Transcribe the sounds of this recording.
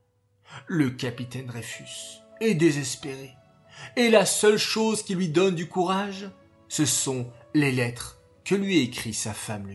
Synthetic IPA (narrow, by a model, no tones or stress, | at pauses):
ləkʲapit̪ɛnʁɛfysɛd̪ezɛspeʁeː | lasœlʃozkʲilɥid̪ɔnd̪ykuʁaʒ | səsɔ̃lelɛt̪χ | kəlɥiekχisafaml